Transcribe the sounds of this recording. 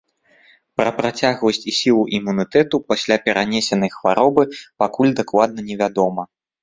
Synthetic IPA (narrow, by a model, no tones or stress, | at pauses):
pɾɐpɾat͡sʲaɣvɐsʲt͡sʲisʲilˠuʔimunɨt̪ɛt̪upasʲlʲapʲɛɾʔanʲɛsʲɛnɐjxvaɾɔbɨpakulʲd̪aklˠad̪̚nɐnʲɛvʲad̪ɔmɐ